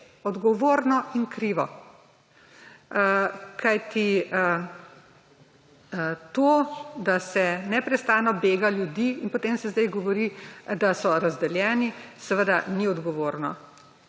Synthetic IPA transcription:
ɔd̪ɡɔʋoːɾnɔinkɾiːʋɔ | kʰajt̪i | t̪oːd̪asɛnɛpɾɛst̪aːnɔbeːɡaljud̪iːnpɔt̪emsɛzd̪ɛjɡɔʋɔɾid̪asɔɾazd̪ɛljɛːnisɛʋəd̪aniɔd̪ɡɔʋoːɾnɔ

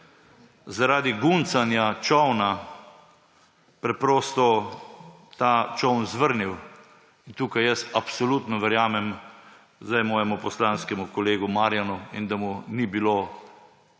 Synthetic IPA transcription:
zaɾaːd̪iɡunsanjat͡ʃɔwna | pɾɛpɾɔːst̪ɔ | t̪at͡ʃɔwnzʋəɾniw | int̪uːkajjəsapsɔlut̪nɔʋɛɾjaːmɛm | zd̪ajmɔːjɛmupɔslanskɛmukɔleːɡumaːɾjanuind̪amunibilo

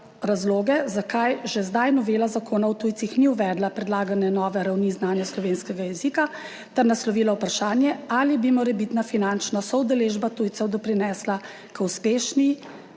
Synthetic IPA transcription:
ɾazloːɡɛzakajʒɛzd̪ajnɔʋeːlazakoːnawt̪uːjt̪sixniuʋɛːd̪lapɾɛd̪laːɡanɛnɔːʋɛɾawniznaːnjaslɔʋeːnskɛɡajɛziːka | t̪ɛɾnaslɔʋiːlawpɾaʃaːnjɛalibimɔɾɛbit̪nafinant͡ʃnasɔwd̪ɛleːʒbat̪uːjt̪sɛwd̪ɔpɾinɛːsla | kəuspeːʃni

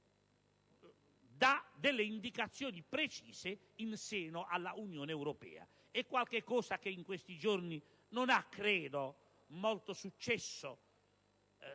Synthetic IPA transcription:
d̪ad̪ɛlːeind̪ikat̪sːjɔːnipɾet͡ʃiːse | insɛːnoʔalːaunjɔːneɛwɾɔpɛ̰ːa̰ | ɛkːwalkekːɔːsak̟eiŋkwest̪id͡ʒorni | nonakːɾɛːd̪o | molt̪osut͡ʃːɛsːo

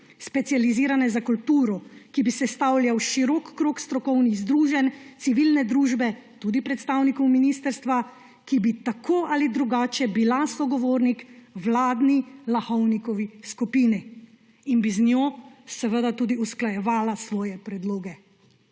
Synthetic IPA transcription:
spɛt̪sijaliziːɾanɛzakult̪uːɾɔkibisɛst̪awljawʃiɾɔkːɾoːkst̪ɾɔkɔwniɣzd̪ɾuːʒɛnt̪siʋilnɛd̪ɾuːʒbɛt̪uːd̪ipɾɛt̪st̪aːwnikɔwminiːst̪əɾst̪ʋa | kibit̪akʰoːʔalid̪ɾuɡaːt͡ʃɛbilasɔɡɔʋoːɾnikwlaːd̪nilaxɔwnikɔʋiskupiːni | inbiznjoːsɛʋəd̪at̪uːd̪iusklajɛʋaːlasʋɔːjɛpɾɛd̪loːɡɛ

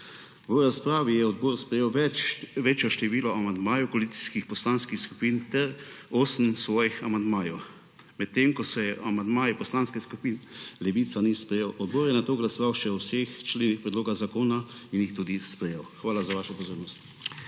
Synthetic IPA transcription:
ʋəɾaspɾaːʋijɛɔd̪̚boːɾspɾɛjeːwɛʋeːt͡ʃjɔʃt̪ɛʋiːlɔamand̪maːjɔwkoɔalit̪si̥skixpɔslaːnskixsku̥pint̪ɛɾoːsəmsʋɔːjixamand̪maːjɔw | mɛt̪ːemkɔsɛjɛamand̪maːjipɔslaːnskɛskupinlɛʋiːt̪sanispɾɛjewɔd̪̚boːɾjɛnat̪oːɡlasɔʋawʃɛɔwsext͡ʃleːnixpɾɛd̪loːɡazakoːnainjixt̪uːd̪ispɾɛjeːwxʋaːlazaʋaːʃɛpɔzoːɾnɔst̪i̥

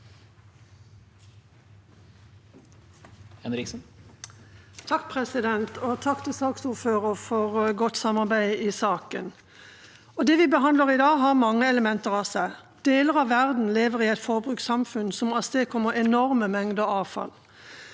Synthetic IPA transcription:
ɛnɾɪs | t̪ʰɑkːpʰʁɛsɪd̪ɛnt̪ɔt̪ʰɑkːt̪ʰɪsɑːksuːʁføːʁəʁfɔʁɡɔt̪sɑmɑʁbæɪiːsɑːkən | ɔd̪ɛʋɪbəɦɑnd̪ləʁɪd̪ɑːɦɑʁmɑŋːəɛləmɛnt̪əʁɑːsæɪ | d̪̥eːləʁɑʋʋæʁd̪n̩leːʋəʁiːɛɪt̪fɔʁbʁʉːksɑmfʉnsɔmɑsd̪eːkʰɔməʁɛnɔʁməmɛŋd̪əɔɑːʋfɑ̰l

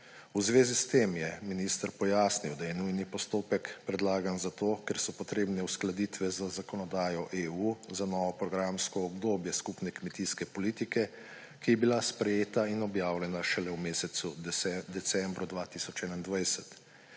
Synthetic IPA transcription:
uzʋeːzist̪emjɛminist̪əɾpɔjaːsniwd̪ajɛnujnipɔst̪oːpɛkpɾɛd̪laːɡanzat̪oːkɛɾsɔpɔt̪ɾeːbnɛusklad̪it̪ʋɛzazakɔnɔd̪aːjɔʔeːuzanɔːʋɔpɾɔɡɾamskɔːbd̪oːbjɛskupnɛkmɛt̪iskɛpɔliːt̪ikɛ | kijɛbilaspɾɛjeːt̪ainɔbjaːwlʲɛnaʃɛlɛwmeːsɛt̪sud̪ɛt̪sɛmbɾɔd̪ʋaːt̪isɔt͡ʃɛːnand̪ʋajsɛt̪

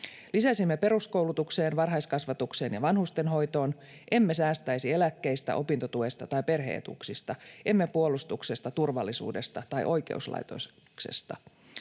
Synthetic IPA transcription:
lisæsimːepe̞ɾusko̞wlut̪ukse̞ːnʋɑrɦɑjskɑsʋɑt̪ukse̞ːnjɑʋɑnhust̪enɦo̞jt̪o̞ːn | ʔe̞mːesæːst̪æjsielækːejst̪æ̰ʔo̞pint̪ot̪ue̞st̪ɑt̪ɑjpe̞rɦḛːt̪ṵksist̪ɑʔe̞mːepuo̞lust̪ukse̞st̪ɑt̪urʋɑlːisṵːde̞st̪ɑt̪ɑjʔo̞jkḛuslɑ̰jt̪o̰ | kse̞̰st̪ɑ̰

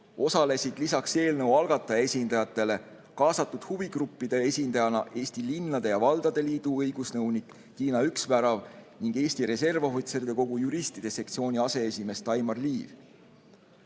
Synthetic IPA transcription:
o̞sɑle̞sid̪̥lisɑkse̞ːlnə̞wɑlɡ̥ɑt̪ːˑɑjɑe̞sʲind̪̥ɑjɑt̪ˑːe̞le̞ | kɑːsɑt̪ːud̪̥huviɡ̥rupːid̪̥e̞esʲind̪ɑjɑnɑʔe̞ːst̪ilinːɑd̪̥e̞jɑvɑld̪̥ɑd̪̥e̞liːd̪̥uɤjɡ̥usnɤwnikːiːnɑyksvæɾɑvniŋɡ̥e̞ːsʲt̪iɾe̞s̬e̞rvoɦot̪seɾd̪e̞ko̞ɡ̥ujuɾist̪id̪̥e̞se̞k̚t̪sio̞ːnʲiɑse̞esime̞st̪ɑjmɑrliːv

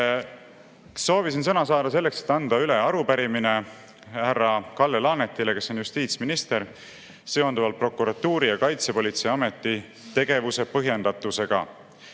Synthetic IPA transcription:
so̞ːvisinsɤnɑsɑːd̪̥ɑse̞lːe̞kse̥t̪ːˑɑnd̪̥ɑyle̞ɑɾupæɾimine̞ | hærːɑkɑlːelɑːne̞t̪ːˑile̞ke̞sːo̞njust̪iːt̪sminist̪e̞ɾ | se̞o̞nd̪uvɑlt̪̚pro̞kːuɾɑt̪ːuːɾijɑkɑjt̪se̞po̞lʲit̪sejɑme̞t̪ːˑi | t̪e̞ɡ̥e̞vuse̞pɤɦje̞nd̪ɑt̪ːˑuse̞ɡ̥ɑ̰

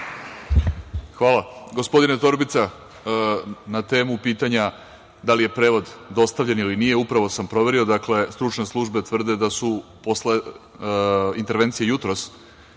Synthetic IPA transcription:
xʋaːlˠaɡo̞spo̞d̪inet̪o̞ɾbit̪sa | nat̪e̞ːmupiːt̪aɲa | d̪alije̞pɾe̞ːʋo̞d̪d̪o̞st̪avʎenilinije̞upɾaʋo̞sampɾo̞ʋe̞ɾio̞d̪akle̞st̪ɾut͡ʃne̞slˠuʒbet̪ʋr̩d̪ed̪asupo̞sle | int̪e̞ɾʋe̞nt̪sijejut̪ɾo̞s

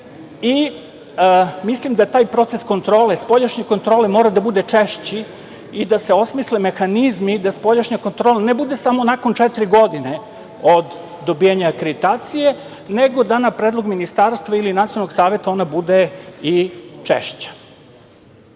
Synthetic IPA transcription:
i | mislimd̪at̪aːjpɾo̞t̪sesko̞nt̪ɾo̞ːlespo̞ʎaʃɲeko̞nt̪ɾole̞mo̞ːɾad̪abud̪e̞t͡ʂeʃt͡ɕi | id̪ase̞o̞smisleme̞xanizmid̪aspo̞ʎaʃɲakont̪ɾolane̞bud̪e̞samo̞nako̞nt͡ʃɛt̪iɾiɡo̞d̪ine | o̞d̪ː | o̞bijaɲaːkɾed̪it̪aːt̪sije̞ | neɡo̞d̪anapɾed̪lˠoɡminist̪aːɾst̪ʋailinat̪ialnoɡsaːʋe̞t̪ao̞nabud̪eit͡ʃḛʃt͡ɕḁ

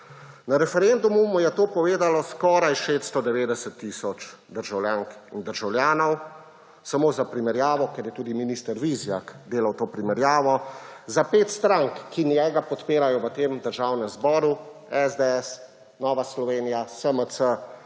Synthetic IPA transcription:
naɾɛfɛɾend̪umumɔjɛt̪oːpɔʋeːd̪alɔskɔːɾajʃeːt̪st̪ɔd̪ɛʋeːd̪ɛsət̪ːisɔt͡ʃ | d̪əɾʒawljaːŋkind̪əɾʒawljaːnɔw | samoːzapɾimɛɾjaːʋɔkɛɾjɛt̪uːd̪iminist̪əɾʋizjakd̪eːlawt̪oːpɾimɛɾjaːʋɔzapeːt̪st̪ɾaŋkːinjɛːɡapɔt̪peːɾajɔʋət̪eːmd̪əɾʒaːwnɛmzbɔːɾuɛzd̪eɛs | nɔːʋaslɔʋeːnijasəməsə

